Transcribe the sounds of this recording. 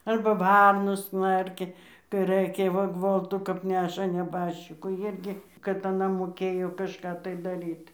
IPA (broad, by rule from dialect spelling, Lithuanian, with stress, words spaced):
ˈɐrbɐ ˈʋɐrnoːs ˈknɐrʲkʲɛ kɐɪ ˈrɘkʲɛ ʋɐ ˈɡʋoːlˠtʊ kɐp ˈnʲæːʃɐ nʲɛˈbɑːʃʲt͡ʃʲɪkuː ˈɪrʲɡʲɪ kɐt ɐˈnɐ moːˈkʲeːjoː kɐʃˈkɑː tɐɪ dɐˈrʲiːt